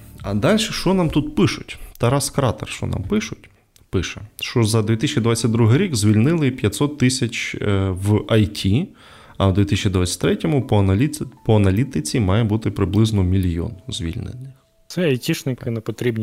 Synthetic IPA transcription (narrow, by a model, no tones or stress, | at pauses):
ɐd̪ɑlʲʃɛʃt͡ʃɔnɑmt̪ut̪̚pɪʃʊtʲt̪ɐɾɑskɾɑt̪ɛ̰rʃt͡ʃɔ̰nɑ̰mpɪʃʊtʲ | pɪʃɛʃt͡ʃɔzɐd̪ʋʲit̪isʲt͡ʃʲid̪ʋɑt͡sʲːɐtʲd̪ɾuɦɪɾʲikzʲʋʲilʲnɪlˠɪpʲjɐt̪ʲsɔt̪ːɪsʲɐt͡ʃwɐjtʲʰi | ɐwd̪ʲit̪isʲt͡ʃʲid̪ʋat͡sʲːɐ̥tʲt̪ɾɛtʲɔmʊpɔpɔɐnɐlʲit̪ɪt͡sʲimɑjɛbut̪ɪpɾɪblˠɪznɔmʲilʲjɔ̰nzʲʋʲḭlʲnɪ̰nɪx | t̪sɛɐjtʲiʃnɪkɪnɛpɔt̪ɾʲibnʲ